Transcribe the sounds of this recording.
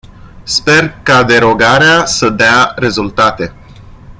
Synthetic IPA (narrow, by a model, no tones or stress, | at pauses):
spe̞rkad̪e̞ɾo̞ɡaɾeasəd̪eaɾe̞zult̪at̪e̞